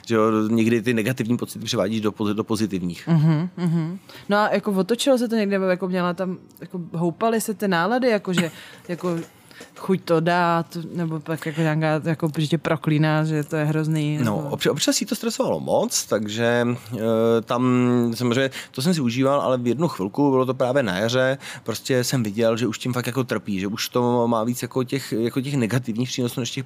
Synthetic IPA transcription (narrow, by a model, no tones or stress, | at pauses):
ʒ̥ɛoɲɛɡdɪt̪ɪnɛɡat̪ɪvɲiːpot͡sɪ̥t̪ɪpr̥ɪva̰ːɟiːʒdopodopozɪt̪ɪvɲḭːxm̩ɦm̩ːɦm̩noajakovot̪ot͡ʃɪlos̬ɛt̪oɲɛɡdɪnɛbojakomɲɛlat̪am | jakoɦowpalɪsɛt̪ɪnaːladɪjakoʒɛjako̞ | xuct̪odaːt̪nɛbo̞pakjakoɲaːkaːjakoʒɛcɛpɾʔo̞kliːnaːʒɛt̪ojɛɦɾozniːnoʔopt͡ʃɛopt͡ʃasiːt̪ost̪ɾɛsovalo̰mot͡st̪aɡʒɛ | t̪amsamozreɛːɲːɛt̪os̬ɛms̬ɪuʒiːvalʔa̰lɛvjɛdnuxv̥ɪlkubɪlot̪̬opɾaːvjɛna̰jar̝ɛpɾoscʲɛsɛmvɪɟɛlʒɛuʃcɪmfakjakot̪r̩piːʒɛuʃt̪omaːviːt͡sjakocɛxjakoc̬ɛxnɛɡat̪ɪvɲiːxpr̥iːnosuːnɛʃcɛx